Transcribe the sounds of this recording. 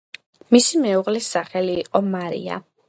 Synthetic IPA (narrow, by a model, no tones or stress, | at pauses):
misimɛuʁlisːaχɛliːqʼɔmaɾḭa̰